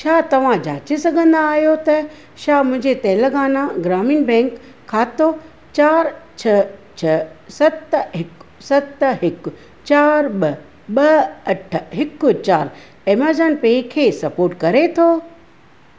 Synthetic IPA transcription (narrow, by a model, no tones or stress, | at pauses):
ʃʰaːt̪ɐʋ̤ãd͡ʑaːt͡ɕesɐɡʱə̃nd̪aːɦijot̪ɐ | ʃaːmʊ̃ɦɪ̃ɲd͡ʑet̪ɛːləɡaːnãɡɾaːmiːnbɛ̃ːŋkʰː | aːt̪o | t͡ɕaːɾt͡ɕʰɐt͡ɕʰɐsɐt̪ɦɪksɐt̪ɦɪkʊ | t͡ɕaːɾɓɐ | ɓɐɐʈ̆ʰɦɪkʊt͡ɕaːɾ | eməɾzənpeːkʰeːsɐpoːɾʈkɐɾet̪ʰoː